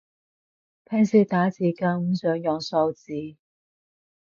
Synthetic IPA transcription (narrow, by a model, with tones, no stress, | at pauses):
pʰɛː˥nsiː˧t̪aː˨˥t͡siː˨˧ka˧ŋŋ̩˨˥˦sœː˨˥ŋjɔː˨˩ŋsɔ˧wt͡siː˨˥